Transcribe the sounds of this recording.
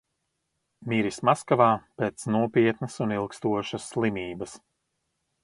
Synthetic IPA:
miɾismaskavaːpeːt̪snuɔpʲiɛt̪nɐsunilˠkst̪uɔʃɐsːlˠimiːbɐs

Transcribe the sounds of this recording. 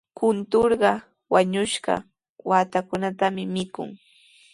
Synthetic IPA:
kʊnt̪oɾɢɑ | waɲʊʃɢɑ̰ | waːt̪akʊnat̪amɪmɪkʊ̰ŋ

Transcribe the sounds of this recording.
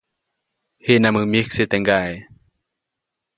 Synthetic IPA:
heʔnamɯmik̚set̪ɛŋɡae

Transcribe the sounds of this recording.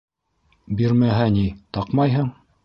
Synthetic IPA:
biɾmæɦænit̪ɑqmɑjɦɤɴ

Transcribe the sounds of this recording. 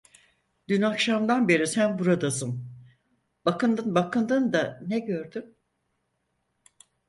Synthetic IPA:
d̪ynakʃamd̪anbe̞ɾisænbuɾad̪asɯm | b̥akɯnd̪ɯnbakʰɯnd̪ɯnd̪anɛɟøɾd̪ym

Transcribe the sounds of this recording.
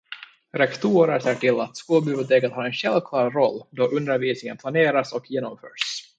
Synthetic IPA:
ɾɛkt̪ʰuːɾəɾseːʈɪlːat̪skoːlbɪbʊt̪ʰeːkət̪hɑːɛnɕɛlvkʰlɑːɾɾɔlːd̪ɔʔɵnd̪əɾviːsnɪŋənpʰlaneːɾasɔkʰjeːnɔmfœ̰ːʂ

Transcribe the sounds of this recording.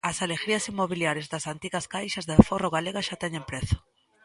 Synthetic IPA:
ɐsaleɣɾiɐsimːoβiljaɾjezðɐsant̪iɣɐskajʃɐzðɪforoɣaleɣaʃat̪ɛɲẽmpɾɛθo̥

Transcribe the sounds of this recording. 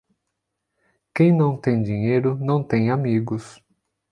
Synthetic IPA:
kẽj̃nɐ̃w̃t̪ẽj̃d͡ʒĩɲejɾʊnɐ̃w̃t̪ẽj̃amiɡʊs

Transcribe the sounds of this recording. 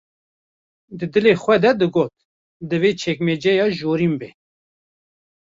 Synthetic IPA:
d̪ɨd̪ɨleːxʷwɛd̪ɛd̪ɨɡoːt̪̚ | d̪ɨveːt͡ʃʰɛkmed͡ʒɛjɑːʒoːɾimbɛ

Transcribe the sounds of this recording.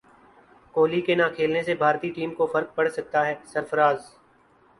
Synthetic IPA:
koːlikenaːkʰeːlnesebʱaːɾt̪iʈiːmkofɐɾk̚pɐɽsɐk̚t̪aɦɛːsɐɾfəɾaːz

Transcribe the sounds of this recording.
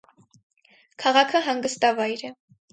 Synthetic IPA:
kʰɑʁɑkʰəɦɑŋɡəst̪ɑvɑjɾɛ

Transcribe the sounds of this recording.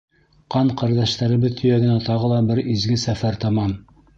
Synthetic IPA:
qɑɴqæɾd̪æʃt̪æɾɘ̆βɘðt̪ʰɵ̆jæɡɘ̆næt̪ɑʁɤlˠɑbɘɾizɡɘsæfæɾt̪ɑmɑn

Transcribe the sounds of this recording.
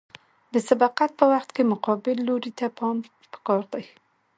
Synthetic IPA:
d̪əsad̪ɑqat̪̚pəwaxt̪kemʊqɑbɪlːoɾit̪apɑm | pə̥kɑɾd̪aj

